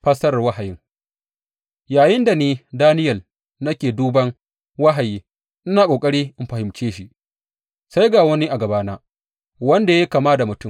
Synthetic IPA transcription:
ɸɐ˦sɐ˦ɾɐ˨wɐ˦ha˨jɪ˦ŋ | jaː˨jɪ˦nda˨neː˦daː˦nɪ˦jɐ˨l | nɐ˦kʲeː˨duː˦bɐ˦ŋ | wa˦ɦa˨jiː˦ | ʔɪ˦naː˨kʷʼoː˨kʼɐ˦ɽiː˦ʔɪ˦mɸɐ˨hɪ˨mt͡ʃeː˦ʃi˦ʔ | sa˦jɡaː˨wɐ˦ni˦ʔa˨ɡɐ˨baː˦naː˦ | wɐ˦nda˨ja˦kaː˨maː˦da˨mʊ˨tʊ˦˨m

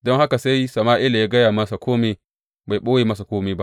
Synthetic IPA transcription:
dɔ˦ŋha˦ka˨sa˦jsɐ˨maː˦ʔɪ˦la˨ja˦ɡɐ˦jaː˨mɐ˦sa˨kʰoː˦meː˨ | ba˨jɓoː˦weː˨mɐ˦s̬a˨koː˦meː˨ba˦

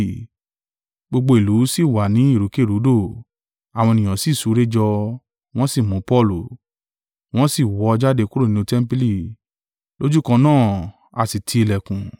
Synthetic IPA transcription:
ɡ͡bo˧ɡ͡bo˧i˨lu˨˦si˦˨wa˨nĩ˨˦i˦˨ɾu˨˦ke˦˨ɾu˨˦do˦˨ | a˨w̃ɔ̃˧e˧nĩ˨ã˨si˦˨su˨˦ɾe˦d͡ʒɔ˧ | w̃ɔ̃˦si˦˨mũ˨˦pɔ˦˨lu˨ | w̃ɔ̃˦si˦˨wɔ˨˧d͡ʒa˦de˧ku˦ɾo˦˨nĩ˦ũ˧tɛ˦m̩˦pi˦li˦˨ | lo˦d͡ʒu˦kã˧nãː˦˨ | a˧˨si˨tʰi˧˦i˧lɛ˨kũ˨

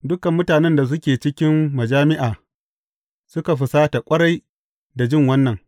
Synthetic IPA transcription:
dʊ˦kɐ˨mːʊ˦taː˨nɛ˦nda˨s̬ʊ˦kʲeː˨t͡ʃɪ˦kʲɪ˦mmɐ˨d͡ʒaː˦mɪ˦ʔaː˨ | sʊ˦ka˨ɸʊ˨saː˦ta˨kʷʼɐ˦ɽa˦j | da˨d͡ʒɪ˦˨ŋwɐ˦nːɐ˨ŋ

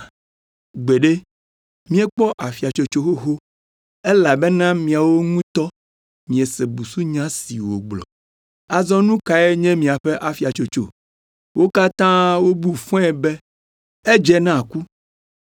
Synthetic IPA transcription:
ɡ͡be˨ɖe˦ | mĩ˦e˦k͡pɔ˦ʔa˨fi˨a˨t͡ʃo˨t͡ʃo˦ɦo˦ɦo˦ | e˦la˨bɛ˦nã˦mĩ˨a˨wo˦ŋũ˦t̪ɔ˦ | mĩ˨e˨se˨bu˨su˦ɲã˦si˨wo˨ɡ͡blɔ̰˨ | a˨zɔ̃˦nũ˦ka˨e˦ɲɛ̃˦mĩ˨a˨ɸe˦ʔa˨fi˨a˨t͡ʃo˨t͡ʃo˨ | wʔo˦ka˦t̪ã˦wo˦bu˦fɔ̃˦ɛ˨bɛ˦ | e˦d͡ʒɛ˦nã˦˨ku˦

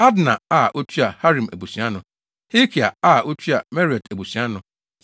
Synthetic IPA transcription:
a˦dna˨a˦˨ʔo˦tʰi˦a˨ha˦ɾĩ˨me˨bu˨sĩ˨˦a˦nʊ̃˨ | hi˦kʰi˨a˨a˦˨ʔo˦tʰi˦a˨me˦ɾi˨ɛ˨te˨bu˨sĩ˨˦a˦nʊ̃˨

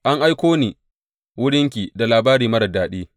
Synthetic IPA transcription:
ʔa˦ŋʔa˦jkʷoː˦niː˨ | wʊ˦ɽɪ˦ŋkʲi˨da˨laː˨baː˦ɾiː˨mɐ˦ɾɐ˨daː˨ɗeː˦

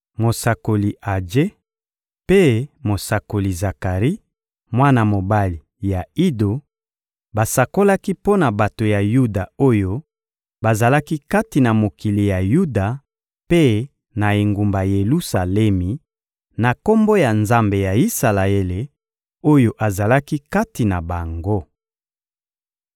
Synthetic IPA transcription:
mo˨sa˨ko˨li˨ʔa˨d͡ʒe˦ | pe˦mo˨sa˨ko˨li˨za˨ka˨ʁi˦ | mwa˦na˨mo˨ba˦li˨ja˨i˦do˨ | ba˨sa˨ko˦la˦ki˦po˦na˨ba˨to˨ja˨ju˦da˨o˦jo˦ | ba˨za˨la˦ki˦ka˦ti˨na˨mo˨ki˨li˨ja˨ju˦da˨ | pe˦ | na˨e˨ŋɡu˨mba˨je˨lu˦sa˨lɛ˦mi˨ | na˨ko˦mbo˦ja˨nza˦mbe˨ja˨i˦sa˨la˨e˦le˨ | o˦jo˦ʔa˨za˨la˦ki˦ka˦ti˨na˨ba˨ŋɡo˦

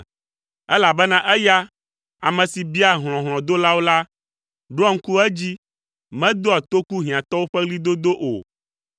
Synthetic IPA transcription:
ɛ˦la˨bɛ˦nã˦ʔɛ˦ja˦ | a˨mɛ̃˨si˨bi˦a˨ɦl̃ɔ̃˨ɦl̃ɔ̃˨d̪o˦la˦wo˦la˦ | ɖo˦ɔ˦ŋ̩˦ku˦ɛ˦d͡ʑi˦ | mɛ̃˦d̪o˦a˨t̪o˦ku˦ɦĩ˨ã˨t̪ɔ˦wo˦ɸɛ˦ɣli˦d̪o˦d̪o˦ʔo̰˨

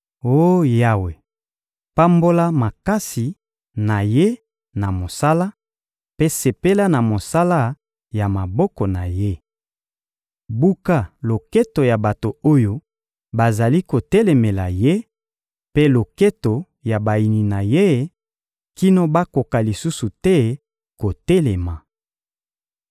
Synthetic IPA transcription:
o˦ja˦we˨ | pa˦mbo˦la˦ma˨ka˦si˨ | na˨je˦ | na˨mo˨sa˦la˦ | pe˦se˨pe˦la˦na˨mo˨sa˦la˦ | ja˨ma˨bɔ˦kɔ˨na˨je˦ | bu˦ka˦lo˨ke˦to˨ja˨ba˨to˨o˦jo˦ | ba˨za˨li˦ko˨tɛ˦lɛ˨me˨la˨je˦ | pe˦lo˨ke˦to˨ | ja˨ba˨i˨ni˨na˨je˦ | ki˦no˦ba˦ko˨ka˨li˨su˦su˨tɛ˦ | ko˨tɛ˦lɛ˨ma˨

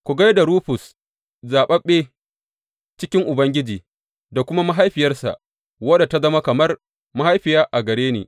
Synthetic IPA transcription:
kʷu˨ɡɐ˦jda˨ɾuː˦ɸʊ˨s | zaː˨ɓɐ˦ɓeː˦ | t͡ʃɪ˦kʲɪ˦ŋʔʊ˨bɐ˦ŋɡʲɪ˦d͡ʒiː˨ | da˨kʷʊ˦ma˦ma˦ɦa˦jɸɪ˨jɐ˦rsa̰˨ʔ | wɐ˦da˨ta˦zɐ˦ma˦kɐ˨mɐ˦r | ma˦ha˦jɸɪ˨jaː˦ʔa˨ɡɐ˨ɾɽeː˦nḛː˨

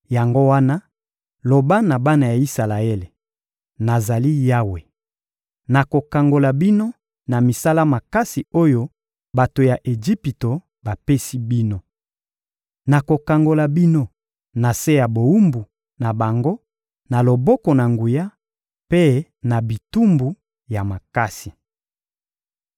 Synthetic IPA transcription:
ja˨ŋɡo˦wa˦na˦ | lo˨ba˦na˨ba˦na˨ja˨i˦sa˨la˨e˦le˨ | na˨za˨li˦ja˦we˨ | na˨ko˨ka˨ŋɡo˨la˨bi˦no˦ | na˨mi˨sa˦la˦ma˨ka˦si˨o˦jo˦ | ba˨to˨ja˨ʔe˨d͡ʒi˦pi˨to˨ | ba˨pe˦si˦bi˦no˦ | na˨ko˨ka˨ŋɡo˨la˨bi˦no˦ | na˨se˦ja˨bo˨u˦mbu˨ | na˨ba˨ŋɡo˦ | na˨lo˨bɔ˦kɔ˨na˨ŋɡu˨ja˦ | pe˦ | na˨bi˨tu˦mbu˨ | ja˨ma˨ka˦si˨

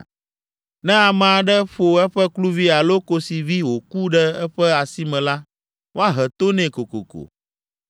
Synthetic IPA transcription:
nɛ̃˦a˨mɛ̃˨a˨ɖɛ˦ɸo˨ɛ˦ɸɛ˦klu˦vi˦a˨lo˦ko˦si˨vi˦wo˨ku˦ɖɛ˦ɛ˦ɸɛ˦a˨si˦mɛ̃˨la˦ | wo˦a˦ɦɛ˨t̪o˦nɛ̃˨ko˨ko̰˨ko̰˨

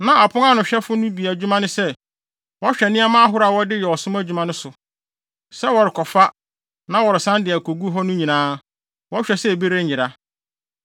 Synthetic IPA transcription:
nã˦a˨pʰʊ̃˦ŋa˦˨nʊ̃˨ɕᶣɛ˦fʊ˦nʊ̃˦bi˨æ˨d͡ʑᶣu˦mã˦nʊ̃˦sɛ˦ | wɔ˦ɕᶣɛ˨nɪ̃˦ɛ˦mã˦ɦʊ˦ɾa˨wɔ˦dɪ˦jɛ˨ɔ˨sʊ̃˦mæ˦d͡ʑᶣu˦mã˦nʊ̃˦sʊ˨ | sɛ˦wɔ˨ɾɪ˨kʰɔ˨fa˦ | nã˦wɔ˨ɾɪ˨sã˦ndɪ˨æ˨kʰo˨ɡu˦ɦɔ˦nʊ̃˦ɲĩ˨nãː˦ | wɔ˦ɕᶣɛ˨sɛ˦˨be˦ɾe˦˨ɪ̃˨ɾa˨

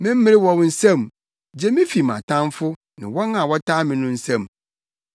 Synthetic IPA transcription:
mɪ̃˦m̩˦mɪ̃˦ɾɪ˦wɔ˦wn̩˦sɛ̃˦m˨ | d͡ʑɛ˦mɪ̃˦fi˨mã̰˨tʰã˦mfʊ˦ | nɪ̰̃˨wɔ˦nã˨wɔ˦tʰaː˦mɪ̃˨nʊ̃˦n̩˦sɛ̃˦˨m˨

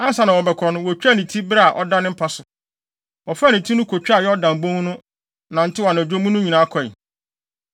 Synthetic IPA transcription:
a˦n˦sa˨˦nã˨wɔ˨bɛ˨kʰɔ˨nʊ̃˦wɔ˨t͡ɕᶣæ˦nĩ˨tʰi˦bɾa˦˨a˨ʔɔ˦dã˦nɪ̃˦m̩˦pʰa˦sʊ˨ | ɔ˨fa˦˨nɪ̃˨tʰi˦nʊ̃˦kʰo˨t͡ɕᶣa˦˨jɛ˦ɔ˦dã˨m̩˨bõ˦ŋ˦nʊ̃˦ | nã˨n̩˦tʰɪ˦wa˨na˨d͡ʑᶣo˦mũ˦nʊ̃˦ɲĩ˨nã˦kʰɔ˨ḭ˨

